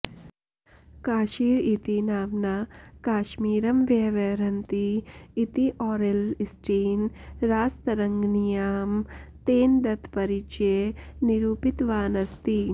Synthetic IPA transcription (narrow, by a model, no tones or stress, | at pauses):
kaːʃiːɾit̪inaːmnaːkaːʃmiːɾɐmʋjɐʋɐɾɐnt̪iːt̪iʔɔːɾelsʈiːnɾaːst̪ɐɾɐŋɡnijaːmt̪eːnd̪ɐt̪ʰpɐɾit͡ʃeniɾuːpit̪ʋaːnɐst̪i